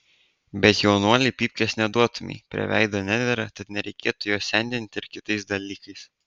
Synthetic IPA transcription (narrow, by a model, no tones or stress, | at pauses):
bʲɛt̪jɛʊnuɔlʲɪpʲiːpʲkʲɛsnʲɛd̪uɔt̪ʊmʲɛ̰pʲɾʲɪ̰ʋʲæ̰ˑɪd̪onʲæːd̪ʲʋʲɛɾɑt̪ɐt̪nʲɛɾʲɛɪkʲeːt̪ʊjuɔsʲɛnʲd̪ʲɪnʲt̪ʲɪɾkʲɪt̪ɐɪsd̪ɐlʲiːkɐɪs